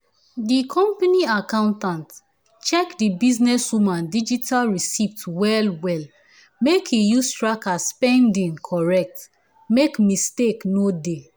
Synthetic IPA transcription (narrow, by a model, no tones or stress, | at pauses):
dikʰɔ̃mpaniakãʊ̃ntãnt | t͡ʃɛkdibiznɛswumãndid͡ʒitʰalɹisiftwɛlwɛl | mekʰijustɹakaspɛ̃ndĩŋkʰɔɹɛk̚t | mekmisteknode